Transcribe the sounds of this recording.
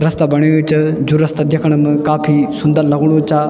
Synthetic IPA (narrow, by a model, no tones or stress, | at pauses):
ɾɐst̪abɐɽ̃joit͡ʃɐd͡ʒuɾɐst̪ad̪ʱjɐkʰəɽ̃m̃kaːpʰisʊnd̪əɾlɐɡɽ̃ũt͡ʃaː